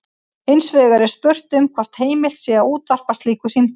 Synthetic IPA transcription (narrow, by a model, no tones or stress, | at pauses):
ejnsvʏːɣaɾɪspœr̥t̪ʏmkʰvar̥t̪heːjmɪl̥t̪sɛɣauːt̪var̥past̪liːkʏsiːn